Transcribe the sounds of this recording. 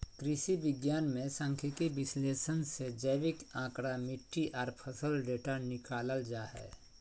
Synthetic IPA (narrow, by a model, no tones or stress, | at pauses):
kɾɪʃibɪɡjaːnmẽsə̃ŋkʰikibɪsleːʃənsed͡ʒəʋɪkãːkɽamɪʈːiʔɔːɾpʰəsəlɖeːʈanɪkaːləld͡ʒaːɦɛ̰ː